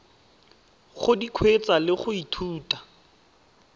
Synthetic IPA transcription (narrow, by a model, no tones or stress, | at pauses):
χʊdikʰwet͡salɪχʊitʰuːtḁ